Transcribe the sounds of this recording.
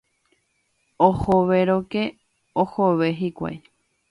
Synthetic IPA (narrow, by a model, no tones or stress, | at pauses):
ohoʋeɾoke | ohoʋeɦikʷa̰j